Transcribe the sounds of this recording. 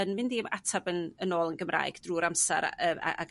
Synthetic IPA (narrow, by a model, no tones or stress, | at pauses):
ənmɪndiːəmatʰabənənoːlˠənɡəmra̰ːɨɡ̥d̥ruːɾamsa̰ɾa̰əːa̰a̰ɡ